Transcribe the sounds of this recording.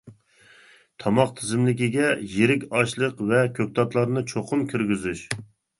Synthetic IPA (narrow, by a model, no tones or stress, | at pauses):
t̪ʰɑmɑqt̪ʰɨzɪmlɪkʲiɡʲɛjeɾɪkʲɑʃlˠəqvɛkʲʰøk̚ʲt̪ɑt̪lˠɑɾnɨt͡ʃʰoqʰʊmkʲʰyɾɡʲyzyʃ